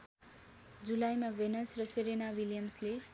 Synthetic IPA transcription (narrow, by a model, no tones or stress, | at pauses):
d͡zulajmawenʌsrʌseɾenawiljʌmsle